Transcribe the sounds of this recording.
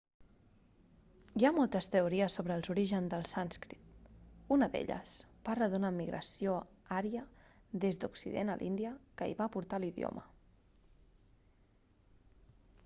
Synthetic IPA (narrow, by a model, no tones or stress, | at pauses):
iamɔlˠt̪əst̪əuɾiəsːoβɾəːlˠzuɾiʒənzd̪əlˠsanskɾit̪̚unəðḛʎə̰sparləðunamːiɣɾʔə̰sijo | aɾjəðezd̪uksḭðḛnə̰lʔḭnd̪iəkəḭβapuɾt̪aliðijo̰mʔə